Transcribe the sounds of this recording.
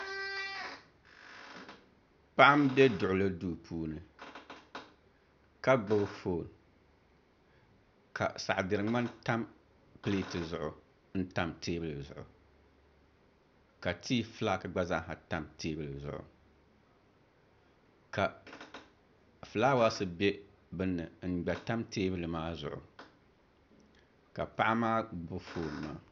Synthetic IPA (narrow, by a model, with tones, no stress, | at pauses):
pa˦ʔa˦mbe˦dʊ˨ʔʊ˨la˦duː˦˨pʰuː˦nɨ˨ | ka˦ɡ͡bʊ˦ɣfoː˦˨n | ka̰˨sa˨ʔdɨ˨ɾɨ˨ŋ͡ma˦nta˦m | pɨ˦leː˦tɨ˨zʊ˨ʔʊ˨ | n̩˦ta˦mtʰeː˦bɨ˦lɨ˨zʊ̰˨ʔʊ̰˨ | ka˨tʰiː˦fɨ˦laː˦kɨ˨ɡ͡ba˦za˦ɦa˨ta˦mteː˦bɨ˦lɨ˨zʊ̰˨ʔʊ̰˨ | ka˨ | fɨ˨laː˦wa˦sɨ˦be˦ | bɨ˦nːɨ˨ŋ̩˨ɡ͡ba˨ta˦mteː˦bɨ˦lɨ˨maː˦zʊ̰˨ʔʊ̰˨ | ka˨pa˦ʔa˦maː˦ɡ͡bʊ˦foː˦˨n˨ma̰ː˦